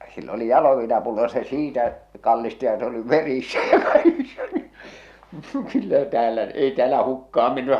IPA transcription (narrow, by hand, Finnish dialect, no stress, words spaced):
silː oli jɑloʋiːnɑpulːo jɑ se siːtæ kɑlːisti jɑ se oli ʋerisːæ jɑ kɑikisːɑ ni kylːæ tæːlæ ei tĕæːlæ hukːɑɑm menːy